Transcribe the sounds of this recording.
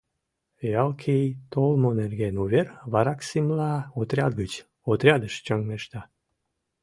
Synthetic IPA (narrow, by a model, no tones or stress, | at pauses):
jɑlkʰijt̪olmonerɡenuβerβɑɾɑksimlɑot̪ɾʲɑd̪̚ɡət͡ɕ | ot̪ɾʲɑd̪əʃt͡ɕəŋɡmeʃt̪ɑ